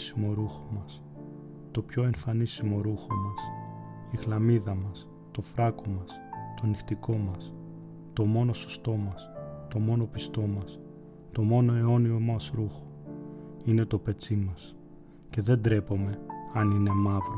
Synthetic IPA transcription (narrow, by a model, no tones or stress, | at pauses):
simo̞ɾuxomɐs | t̪o̞pço̞e̞ɱfɐnisimo̞ɾuxo̞mɐs | iɣlɐmiðɐmɐs | t̪o̞fɾɐko̞mɐst̪o̞nixt̪iko̞mɐs | t̪o̞mo̞no̞so̥st̪o̞mɐst̪o̞mo̞no̞pist̪o̞mɐs | t̪o̞mo̞no̞e̞o̞nio̞mɐsɾuxo̥ | ine̞t̪o̞pe̞t͡simɐs | ce̞ðe̞nd̪ɾe̞po̞me̞ɐnine̞mɐvɾo